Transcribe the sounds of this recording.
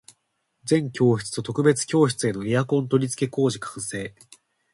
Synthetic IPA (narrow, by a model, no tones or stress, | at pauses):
d͡zẽ̞ŋkʲo̞ːçʲi̥t͡sɨ̥t̪o̞t̪o̞kɯ̟be̞t͡sɨ̥kʲo̞ːɕi̥t͡sɨe̞no̞ejakõ̞nt̪o̞ɾʲit͡sɨ̥ke̞ko̞ːʑikʰḁ̃se̞ː